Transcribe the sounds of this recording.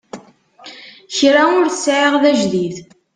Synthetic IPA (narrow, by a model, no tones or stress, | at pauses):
çɾaʊɾθsʕiʁðæʒðið